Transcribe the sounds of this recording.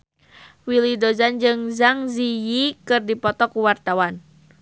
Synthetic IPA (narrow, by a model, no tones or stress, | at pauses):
wilidozand͡ʒɨŋzaŋzijikɨrdipɔt̪ɔkuwart̪awan